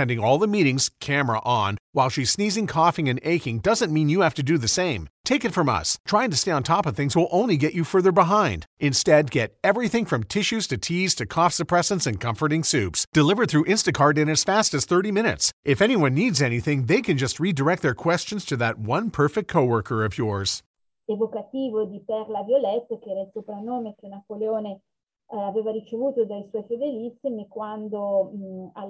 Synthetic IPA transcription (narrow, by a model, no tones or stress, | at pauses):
ɛ̃ndɪ̃ŋɔlˠðəmiɾɪ̃ŋz̥kʰæmə˞ə̰ʔə̃nwaɪlˠʃiz̥snizɪ̃ŋkʰɔfɪ̃ŋɨ̃neɪkɪ̃ŋdʌzɨ̃nmĩnjɨhæftɨdɨðɨsẽɪ̃mtʰeɪkɨtfɹʌ̃mʌ̰stʰɹ̥aɪɪ̃ŋtɨsteɪə̃ntʰɑpʌv̥θɪ̃ŋzwɪlˠʔõʊ̃nliɡɛt͡ʃɨfɜ˞ðə˞bəɦãɪ̃nd̥ɨ̃nstɛd̚ɡɛɾɛvɹiθɪ̃ŋfɹʌ̃mtʰɪʃʉz̥tʰɨtʰiz̥tʰɨkʰɔfsɨpʰɹ̥ɛsɨ̃nsɨ̃nkʰʌ̃ɱfə˞ɾɪ̃ŋsʉpsd̥ɨlɪvə˞θɹʉʔɪ̃nstɨkʰɑɹɾɨ̃nɨz̥fæstɨz̥θɜ˞ɾimɪ̃ñɨ̰tsʔɪfɛñiwʌ̃nːidzɛñiθɪ̃ŋðeɪkʰɨ̃nd͡ʒʌst̚ɹidə˞ɛk̚t̪̚ðə˞kʰw̥ɛst͡ʃɨ̃n̩z̥tʰɨðɨt̚wʌ̃npʰɜ˞fɪk̚tkʰoʊwɜ˞kə˞ʌvjɔɹz̥ | evokat̪iːvod̪ipɛɾlavjolɛt̪ːakeɛːɾailsopɾanːoːmekenapoleoːne | aveːvaɾit͡ʃevuːt̪od̪ajswɔjfed̪elisːimikwand̪o | a